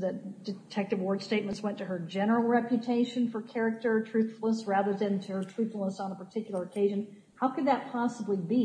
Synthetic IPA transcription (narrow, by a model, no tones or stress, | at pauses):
ðɨd̥ɨtʰɛk̚tɨvwɔɹd̥steɪt̚mə̃ntswɛ̃ntɨə˞d͡ʒɛnə˞l̩ˠɹɛpjɨtʰeɪʃɨ̃nfə˞kʰɛɹɨk̚tə˞tʰɹ̥ʉθfl̩ˠnəs̚ɹæðə˞ðɨ̃ntʰɨə˞tʰɹ̥ʉθfl̩ˠnəsn̩əpʰə˞tʰɪkjl̩ˠə˞əkʰeɪʒɨ̃n | haʊkɨd̪̚ðɨt̚pʰɑsəblibi